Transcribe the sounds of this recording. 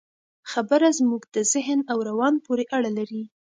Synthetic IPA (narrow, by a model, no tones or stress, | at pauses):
xabəɾazmuɡd̪əzɪɦnawɾawɑnpoɾeʔaɽalaɾi